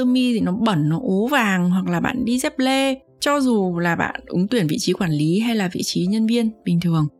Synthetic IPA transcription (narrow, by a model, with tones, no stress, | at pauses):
əː˧mi˧t̪ʰi˨˩nɔ˨˦ɓə˧˩nːɔ˨˦ʔo˨˦vaː˨˩ŋɦwa˨˩k̚laː˨˩ɓa̰ː˧˨nɗi˧zɛ˦˥p̚le˧ | t͡ɕɔ˧zu˨˩laː˨˩ɓa̰ː˧˨nʔɨ˨˦ŋt̪wi˧˩ənvḭ˧˨t͡ɕi˨˦kwaː˧˩nli˨˦ɦa˧jlaː˨˩vḭ˧˨t͡ɕi˨˦ɲə˧nvi˧ənɓï˨˩ŋ̟t̪ʰɨ˨˩əŋ